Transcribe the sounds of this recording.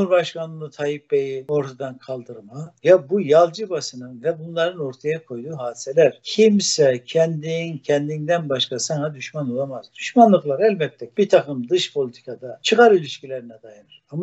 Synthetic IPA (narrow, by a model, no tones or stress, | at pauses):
uuɾbaʃkʰanˠɯnˠɯt̪ʰajipbɛjio̞ɾt̪ʰad̪ankʰalˠd̪ɯɾmajabujalˠd͡ʒɯbasɯnɯnvɛbunlˠaɾɯno̞ɾt̪ʰajakʰo̞jd̪uːɦaːd̪i̥sɛlʲæɾ̥cʰimsɛcʰɛnd̪incʰɛnd̪ind̪ænbaʃkʰasanad̪yʃmanolˠamaz̥d̪yʃmanlˠɯklˠaɾɛlʲbɛc̚t̪ʰɛb̥iɾt̪ʰakɯmd̪ɯʃpʰo̞lʲit̪ʰi̥kʰad̪at͡ʃʰɯɣaɾylʲiʃcilʲɛɾinɛd̪ajanɯɾama